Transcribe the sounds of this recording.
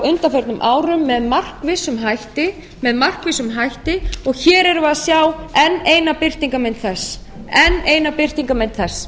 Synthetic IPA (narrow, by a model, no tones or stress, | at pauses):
ʏnt̪afɛɾt̪nʏmʔaːwɾʏmːɛðmar̥kvɪsʏmɦajht̪ɪ | mɛðmar̥kvɪsʏmɦajht̪ɪɔɣçɛːɾɛɾʏvaðsjaːwɛnːeːjnapɪr̥t̪iŋkamɪnt̪θɛsɛnːeːjnapɪr̥t̪iŋkamɪnt̪θɛsː